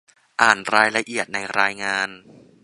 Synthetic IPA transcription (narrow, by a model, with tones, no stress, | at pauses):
ʔaː˨˩nɾaː˧jla˧ʔi˨˩ət̪̚na˧jɾaː˧jŋaː˧n